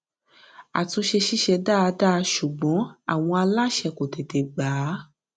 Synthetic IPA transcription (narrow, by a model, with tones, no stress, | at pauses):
a̰˨tõ˧ʃe˧ʃi˦ʃɛ˧da˦˨˧da˦˧ʃu˨ɡ͡bɔ̃˨˦a̰˦˨w̃ɔ̃˧a˧la˦ʃɛ˧ko˨te˨te˨ɡ͡baː˨˦